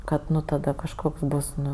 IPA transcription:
ˈkɐt ˈnʊ tɐˈdɐ kɐʃˈkoːks ˈbʊs ˈnʊ

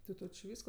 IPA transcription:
tʲɪ ˈtoː t͡ʃʲɪ ˈʋʲiːskoː

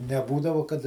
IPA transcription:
nʲɛˈbuːdɐʋoː kɐt

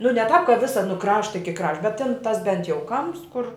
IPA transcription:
nʊ nʲɛ tɑːp kɐ ˈʋʲɪsɐ nʊ ˈkrɑːʃtɐ ɪkʲɪ ˈkrɐʃ bʲɛt tʲɪn ˈtɐs ˈbʲɛnt jɛʊ ˈkɐmps kʊr

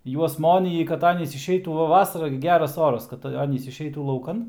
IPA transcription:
ˈjuɔs ˈmoːnʲiːjɪ kɐt ˈɑːnʲiːs ɪʃʲˈɛɪtuː ˈʋɐ ˈʋɑːsɐrɐ ɡʲɪ ˈɡʲæːrɐs ˈoːrɐs ˈkɐt ˈɑːnʲiːs ɪʃʲˈɛɪtuː lˠɐʊˈkɐn

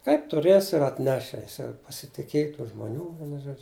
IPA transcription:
kɐɪp tʊˈrʲeːsʲɪ ɪr ɐtʲˈnʲæːʃʲɪ ˈjɪs jɛʊ pɐsʲɪtʲɪˈkʲeːj tuː ʒmoːˈnʲuː ˈʋʲiɛnʊ ˈʒuɔd͡ʒʲʊ

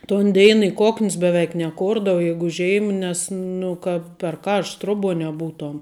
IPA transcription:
toːn ˈdʲeːɪn ɪ ˈkoːknʲs bʲɛˈʋʲɛɪk nʲɛˈkoːrdɐʋoː jɛɪɡʊ ˈʒʲiɛm ˈnʲɛs ˈnʊ kɐt pʲɛr ˈkɐrʃt ˈtroːˌbuɔ nʲɛˈbuːtuɔm

